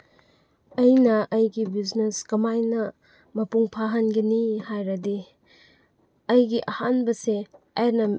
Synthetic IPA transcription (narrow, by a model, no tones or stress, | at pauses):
ɐjnɐʔɐjɡibizneskɐmajnɐ | mɐpuŋpʰaɦɐnɡɐnihajɾɐdi | ɐjɡiʔɐhanbɐse | aɾnɐ